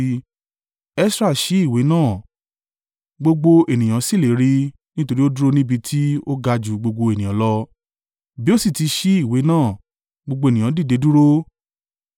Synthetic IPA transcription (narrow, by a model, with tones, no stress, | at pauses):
ɛ˦sɾa˦˨ʃi˨˦i˦˨we˨˦nãː˦˨ | ɡ͡bo˧ɡ͡bo˧e˨nĩ˨j̃ã˨˦si˦˨le˨˦ɾi˧ | nĩ˦to˧ɾi˦o˦du˦ɾo˦nĩ˦bi˧tʰi˦o˦ɡa˧d͡ʒu˨ɡ͡bo˧ɡ͡bo˧e˨nĩ˨ã˨˦lɔ˧ | bi˦o˦si˦˨ti˧˦ʃi˦i˦˨we˨˦nãː˦˨ | ɡ͡bo˧ɡ͡bo˧e˨nĩ˨ã˨˦di˦˨de˨˧˦du˦ɾo˦